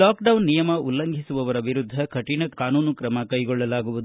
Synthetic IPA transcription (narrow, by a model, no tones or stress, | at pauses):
laːkɖɐwnːijɐmɐʔulːɐŋɡʱisuʋɐʋɐɾɐʋiɾud̪ʱːɐkɐʈinɐkaːnuːnukɾɐmɐkɐjɡɔɭːɐlaːɡuʋud̪u